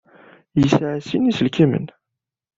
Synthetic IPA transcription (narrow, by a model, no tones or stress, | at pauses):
jəsʕasinisəlkimə̰n